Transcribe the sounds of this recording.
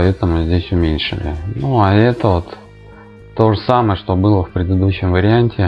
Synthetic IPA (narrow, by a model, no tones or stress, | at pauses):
ɐɛt̪əmʊzʲdʲesʲʊmʲenʲʂɨ̰lʲɪ̰nuaɛt̪əvo̞t̪ː | o̞ʐəsaməjəʂt̪o̞bɨlˠəfpɾʲɪd̪ɨd̪uɕːɪmvəɾʲɪanʲtʲɪ